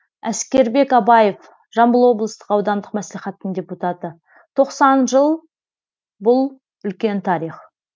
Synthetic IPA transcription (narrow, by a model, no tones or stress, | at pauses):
æskʲe̞ɾbe̞kɑbɑje̞f | ʒɑmbəlˠwo̞blˠəst̪ə̥qɑwd̪ɑnd̪əqmæsliχæt̪ːəɴd̪ʲe̞put̪at̪ə | t̪ʰo̞qsɑnʒəlˠ | bʊlˠ | ʏlkʲe̞nt̪ʰɑɾiχ